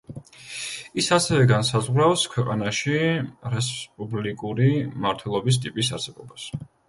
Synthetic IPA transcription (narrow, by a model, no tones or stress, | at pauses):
isasɛvɛɡansazʁɾafskʰwɛqʼanaʃiɾɛspʼublikʼuɾimaɾt̪ʰwɛlˠɔbis̬t̪ʼipʼisa̰ɾsɛbɔbas